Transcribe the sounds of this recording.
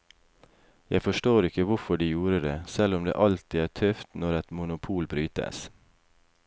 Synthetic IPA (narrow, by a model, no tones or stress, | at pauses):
jæɪfɔʃʈoːɾɪkəʋʊfɔɖiːjuːɾəd̪eːsɛlʊmd̪ḛːʔɑlt̪ɪːæːt̪ʰœft̪nɔɾɛt̪mʊnʊpʰuːlbɾyːt̪ə̰s